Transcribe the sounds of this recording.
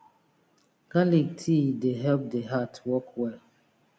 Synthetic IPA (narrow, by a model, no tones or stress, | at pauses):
ɡ̥alik̚tʰideɦɛlp̚deɦatwɔkwɛl